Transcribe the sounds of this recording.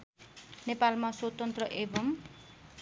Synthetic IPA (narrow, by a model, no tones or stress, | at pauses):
nepalmaswʌt̪ʌnt̪rʌʔebʌm